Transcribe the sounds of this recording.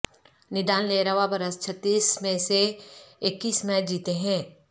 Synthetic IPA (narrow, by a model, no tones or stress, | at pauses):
nɪd̪aːnleːɾaʋabɐɾəst͡ʃʰɐt̪ːiːsmẽseɪkːiːsmɛ̃d͡ʒiːt̪eɦɛ̃ː